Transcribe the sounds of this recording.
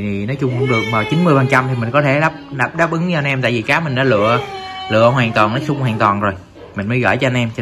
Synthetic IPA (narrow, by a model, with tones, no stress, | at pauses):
t̪ʰi˨˩nɔ˨˦t͡ɕʊ˧ŋ͡mkʊ˧˨ŋ͡mɗɨ˨˩ək̚vaː˨˩wt͡ɕi˨˦nmɨ˧əjvaː˨˩nt͡ɕa˧mt̪ʰi˨˩mï˨˩ŋ̟kɔ˨˦t̪ʰe˧˩ɗaː˦˥p̚ɗaː˨˦˥p̚ɗaː˦˥p̚ʔɨ˨˦ŋɲɨ˧ʔa˧nʔɛ˧mt̪a̰ː˧˨vi˨˩kaː˨˦mï˨˩ŋ̟nɔ˨˦lɨ̰˧˨əlɨ̰˧˨əɦwaː˨˩nt̪waː˨˩nɔ˨˦jsʊ˧ŋ͡mhwaː˨nt̪waː˨˩nzo˨˩j | mi˨˩ŋ̟məː˨˦jɣə̰ː˧˩jt͡ɕɔ˧a˧nʔɛ˧m˧